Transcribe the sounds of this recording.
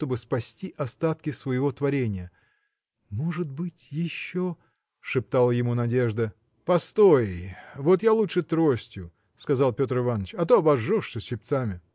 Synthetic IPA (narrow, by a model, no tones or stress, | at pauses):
t̪o̞bɨspɐsʲtʲiʔɐst̪at̪̚kʲɪsvəjɪvo̞t̪vɐɾʲenʲɪjə | moʐɨt̪̚bɨtʲjɪɕːo | ʂɨp̚t̪alˠəjɪmunɐdʲe̞ʐd̪ə | pɐst̪o̞jvo̞t̪jalˠutʂɨt̪ɾosʲtʲjʊ | skɐzalˠpʲo̞t̪rɨvanːət͡ɕɐt̪oɐbɐʐːoʂsəsʲɪp̚ʲt̪samʲɪ